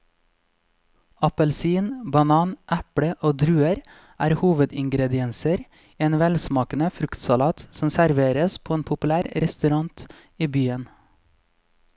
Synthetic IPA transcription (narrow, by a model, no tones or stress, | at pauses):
ɑpəlsiːnbɑnɑːnʔæpɽəʔoːd̪ɾʉːəɾ | ʔæːɾhuːʋəd̪ɪŋɡɾɛd̪ɪɛnsəɾ | eːnʋɛlsmɑːkənəfɾʉkt̪sɑlɑːt̪sɔmsæɾʋeːɾəspʰoːeːnpʰʊpʉlæːɾɾɛst̪ʉɾɑŋt̪ | iːbyːən